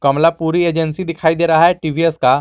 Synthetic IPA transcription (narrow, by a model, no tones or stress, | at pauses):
kɐmlapuːɾieːd͡ʒənsid̪ɪkʰaːid̪eːɾɐɦaɦɛʈiːʋieska